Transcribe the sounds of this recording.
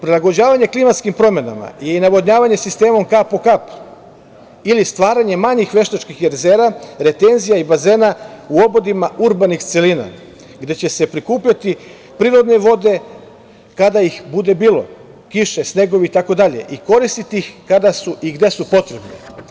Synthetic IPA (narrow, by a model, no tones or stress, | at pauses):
pɾelˠaɡo̞d͡ʑaːʋaɲe̞klimat̪skimpɾo̞me̞na̰ma̰je̞inaʋo̞d̪ɲaːʋaɲe̞sist̪e̞ːmo̞mkapokap | ilist̪ʋaːɾaɲe̞maɲixʋe̞ʃt̪at͡ʃkixeɾzeːɾaɾe̞t̪e̞nzijaibaze̞ːnauo̞bo̞d̪imauɾbanixt̪selina̰ | ɡd̪e̞t͡ɕe̞se̞pɾikuːpʎat̪i | pɾiːɾo̞d̪ne̞ʋo̞d̪e̞ | kad̪aixbud̪e̞biːlˠo̞̰ | kiʃe̞sne̞ɡo̞ʋiit̪ako̞d̪aʎe̞̰ʔiko̞ɾist̪it̪iixkad̪asuiɡd̪e̞supo̞t̪ɾe̞bnḛ